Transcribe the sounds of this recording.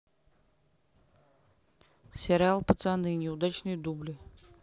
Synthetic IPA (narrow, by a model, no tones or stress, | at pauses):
sʲeɾʲɪalˠpət̪sanɨnʲɪʊd̪at͡ɕnɨjd̪ublʲɨ